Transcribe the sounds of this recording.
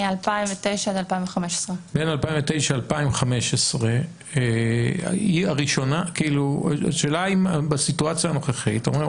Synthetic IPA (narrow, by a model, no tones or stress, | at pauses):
alpaimvet̪ejʃaad̪alpaiɱveχameʃe̥sʁebenalpaĩvet̪ejʃaːlpaimχameʃesʁe | iaʁiʃo̞nakiilṵa̰ʃeːlaimabasituat͡sjaːno̞χeχitaome